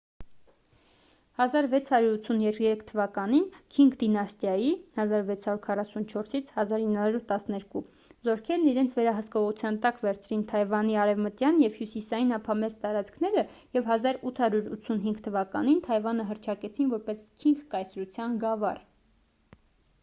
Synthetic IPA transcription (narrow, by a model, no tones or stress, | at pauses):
hɑzɑɾvɛt͡sʰhɑɾjuɾut͡sʰunjɛɾjɛɾɛkʰt̪ʰːəvɑkɑninkʰiŋɡd̪inɑst̪jɑjihɑzɑɾvɛt͡sʰhɑɾjuɾkʰɑrɑsunt͡ʃʰɔɾsit͡sʰhɑzɑɾinːhɑɾuɾt̪ɑsnɛɾku | zɔɾkʰɛɾniɾɛnt͡sʰvɛɾɑɦəskɔʁut͡sʰjɑnt̪ɑkvɛɾt͡sʰɾint̪ʰɑjvɑniɑɾɛvmət̪jɑnjɛvhjusisɑjinɑpʰɑmɛzt̪ɑɾɑt͡skʰnɛɾə | jɛvɦɑzɑɾut̪ʰhɑɾuɾut̪t͡sʰunɦiŋɡt̪ʰəvɑkɑnint̪ʰɑjvɑnəɦərt͡ʃʰɑkɛt͡sʰinvɔɾpɛskʰiŋɡkɑjsɾut͡sʰjɑnɡɑvɑ̰r